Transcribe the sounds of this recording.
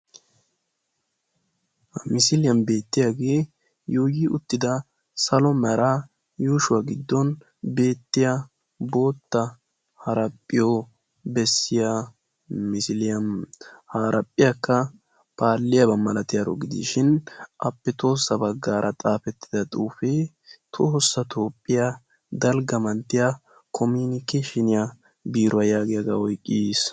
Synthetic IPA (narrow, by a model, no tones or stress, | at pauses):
hmɪsɪlɪjɐmbe̞ːt̪ːɪjaɡe̞ː | juːjɪʔʊt̪ːɪd̪ɐ | sɐlɔmɐɾaː | juːʃʊwaːɡɪd̪ːɔn | be̞ːt̪ːɪja | bo̞ːt̪ːɐ | hɐɾɐpʼːɪjo | bɛsːɪja | mɪsɪlɪjɐnhaːɾʔɐpʼːɪjɐkːɐ | paːlːɪjɐbɐmːɐlɐt̪ɪjɐɾɔ̰ɡɪd̪ḭʃɪnʔɐpːɛt̪o̞ːsːɐbɐɡːaːɾʔɐt̪ʼaːfɛt̪ːɪ̥d̪ɐt̪ʼuːfɛ | t̪ʰoːsːɐt̪ʰo̞ːpʼːɪja | d̪ɐlɡɐmɐnt̪ːɪja | kʰɔmiːnkːɛʃɪnɪja | biːɾʊwɐjaːɡɪjɐɡaɔjkʼːiːs